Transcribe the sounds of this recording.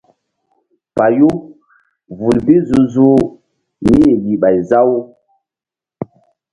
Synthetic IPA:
pa˨ju˦ | vu˨lvi˦zu˨zu˦ | ni˦je˨li˨ɓa˨jza˦w

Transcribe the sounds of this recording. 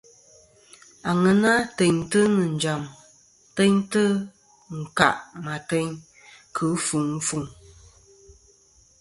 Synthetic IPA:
a˨ŋə˨na˦tɛ˨ɲtə˦nɨ˨n̩˨d͡ʒa˨m | tɛ˦ɲtə˦ | ŋ̩˨ka̰˨ʔma˨tɛ˦ɲ | kʰə˨˦fu˨ŋ̩˦fu˨ŋ

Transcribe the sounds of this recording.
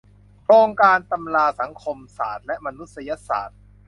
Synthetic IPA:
ɾoː˧ŋkaː˧nt̪a˧mlaː˧sa˩˦ŋkʰo˧msa̰ː˨˩t̪̚lɛ˦˥ʔma˧nu˦˥t̪̚sa˧ja˦˥sa̰ː˩t̪̚

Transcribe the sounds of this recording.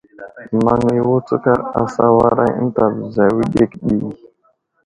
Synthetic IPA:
ma˨ŋi˦wo˦t͡sə˦ka˦ɾa˨sa˦wa˦ɾa̰˦n˦ta˨bza˨wi˦ɗe˦kɗi˦i˨

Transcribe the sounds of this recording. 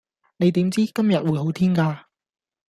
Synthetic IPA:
ne˨˧jt̪iː˨˥mt͡siː˥kɐ˥mjɐ˨t̚wuː˨˧jho˨˥wt̪ʰiː˥nkaː˧

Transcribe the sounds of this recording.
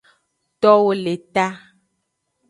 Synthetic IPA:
t̪ɔ˦wo˦le˨t̪a˦

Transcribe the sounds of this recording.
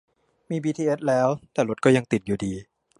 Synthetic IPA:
miː˧biː˧t̪ʰiː˧ʔe˦˥t̪̚lɛː˦˥wt̪ɛː˨˩lo˦˥kɔː˥˩ja˧ŋt̪i˨˩t̪̚juː˨˩diː˧

